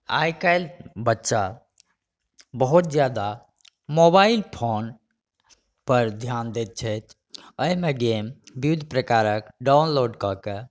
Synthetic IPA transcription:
a̰jkajlbətːʃa | bəɦut̪̚d͡ʒjad̪a | mobailpʰon | pəɾd̪ʱjand̪et̪̚t͡ʃʰɛt̪ʰ | əimeɡembiid̪ʱpɾəkaɾəkɖaʊnloɖkɔke

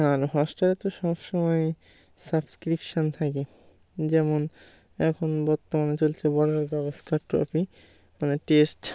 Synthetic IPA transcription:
aɾoɦɔsʈaɾet̪oʃɔbʃɔmɔe | sabskɾipʃont̪ʰake | d͡ʑɛmon | ɛkʰonbɔɾt̪omanet͡ɕolt͡ɕʰebɔɽaɾbɛboskaʈɾɔ̰pi | maneʈesʈ

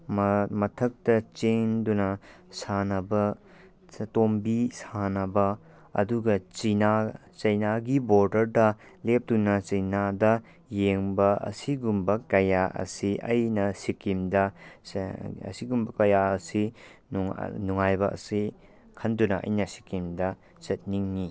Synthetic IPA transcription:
mmɐtʰɐk̚tɐt͡ʃeŋndunɐsanɐbɐ | ɐtombisanɐbɐ | ɐ̰duɡɐt͡ʃina | t͡ʃɐjnaɡiboɾdɐɾdɐ | lep̚tunɐt͡ʃɐjnadɐ | jeŋbɐɐ̰siɡumbɐkɐjaʔɐ̰siʔɐjnɐsikimdɐ | ɐ̰siɡumbɐkɐjaɐsinnuŋajbɐʔɐ̰si | kʰɐndunɐʔɐ̰jnɐsi̥kimdɐ | t͡ʃɐt̚niŋni

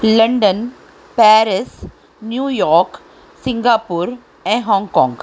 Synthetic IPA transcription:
lɐ̃ɳɖən | pɛːɾɪs | njuːjɔːɾk | sɪ̃ŋɡaːpuɾ | ɛ̃ːɦɔ̃ːŋɡkɔ̃ːŋɡ

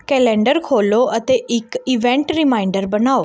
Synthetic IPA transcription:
kɛːlɛ̃ːɳɖəɾkʰoːloːʔət̪eːʔɪkɪʋɛ̃ːɳʈɾɪmaːiɳɖəɾbənaːoː

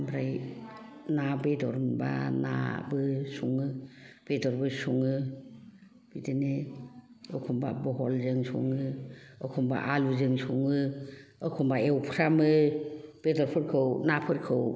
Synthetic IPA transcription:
mbɾaj | nabedɔɾmba̰na̰bɯsuŋɯb̥edɔɾbɯsuŋɯ | b̥idene | ɯkʰɔmba̰bɔɦɔlzɯŋsṵŋɯɯkʰɔmba̰ʔaluzɯŋsuŋɯɯkʰɔmbaewpʰɾamɯb̥edɔɾpʰɯɾkʰɯwnapʰɯɾkʰɯw

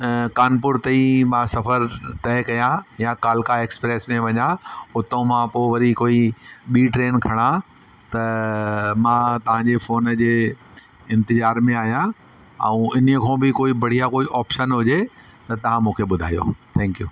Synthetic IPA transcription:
kaːnp̬ʊɾt̪ɐĩmãsɐfəɾt̪ɐɦɪkɐjãjãkaːlkaeːkspɾeːsmẽʋɐɲaʊt̪õmãpoʋɐɾikoːiɓiːʈɾeːnkʰɐɽ̃ã | t̪ɐ | mãt̪ɐʋ̤ãɲd͡ʑefoːnd͡ʑeː | ɪ̃nt̪ɪzaːɾmẽaːɦijã | ɛ̃ũɪn̤kʰõːbɪkoːibɐɽ̤ijakoːiʔɔːpʃənɦʊd͡ʑe | t̪ɐt̪ɐʋ̤ãmũːkʰeɓʊd̪ʱa̰ːijo̰t̪ʰɛ̃ːŋkjuː

